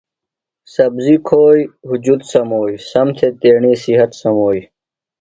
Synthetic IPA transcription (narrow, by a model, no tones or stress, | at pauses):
sɐbzikʰoːjɦud͡ʑud̪sɐmoːisɐmt̪ʰet̪eːɳiːsiɦɐt̪sɐmoːi